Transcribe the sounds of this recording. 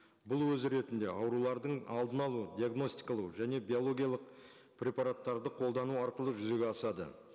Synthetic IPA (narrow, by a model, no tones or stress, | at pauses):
bʊlˠwɵzɾe̞t̪ɪnd̪e̞ʔɑwɾulˠɑɾd̪əɴɑlˠd̪ənɑlˠud̪iaɡno̞st̪ijkɑlˠəʒæne̞bijolˠo̞ɡʲijɑlˠəq | prʲe̞pɑɾat̪ːɑɾd̪əqʰo̞lˠd̪ɑnuɑɾqəlˠəʒʏze̞ɡʲeɑsɑd̪ə̰